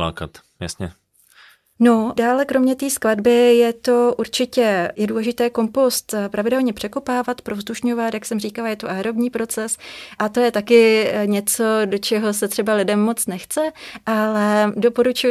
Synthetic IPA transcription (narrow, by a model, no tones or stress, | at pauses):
la̰ːka̰t̪ | ja̰sɲɛ | no̞daːlɛkɾo̞mɲɛt̪iːskladbɪjɛt̪o̞ʔuɾt͡ʃɪcɛjɛduːlɛʒɪt̪ɛːko̞mpo̞st̪pɾavɪdɛlɲɛpr̥ɛko̞paːvat̪pɾovzduʃɲovat̪jaksɛmr̝iːkalajɛt̪oʔaːɾobɲiːpɾo̞t͡sɛsʔat̪o̞jɛt̪akɪɲɛt͡so̞do̞t͡ʃɛɦo̞s̬ɛt̪r̥ɛbalɪdɛmːo̞t͡snɛxt͡sɛʔalɛdo̞po̞ɾut͡ʃu